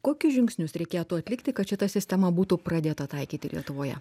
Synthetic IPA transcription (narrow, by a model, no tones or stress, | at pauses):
koːkʲʊsʒʲɪŋksʲnʲʊsɾʲɛɪkʲeːt̪uːɐt̪ʲlʲɪkt̪ʲɪkɐt̪ʃʲɪt̪ɐsʲɪsʲt̪ʲɛmɐbuːt̪uːpɾɐd̪ʲeːt̪ɐt̪ɐɪkʲiːt̪ʲɪlʲḭɛt̪ʊʋoːjɛ̰